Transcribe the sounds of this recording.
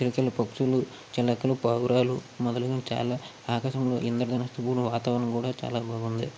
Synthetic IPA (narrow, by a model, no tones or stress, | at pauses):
t͡ʃiɾikɐlɐpɐkʂulu | t͡ʃɛlɐkːɐlupɐwɾaːlumɔd̪ɐluɡɐt͡ʃa̰ːlaː | aːkaʃɐmlo̞ːʔind̪ɐɾd̪ɐnɐst̪upuːluʋaːt̪aːʋɐnɐmkuːɽaːt͡ʃa̰ːlaːbʱaːɡund̪i